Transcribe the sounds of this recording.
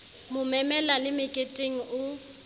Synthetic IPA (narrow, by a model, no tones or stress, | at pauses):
mʊmɛmɛlalɪmɪkʼetʼeŋ̩ʊ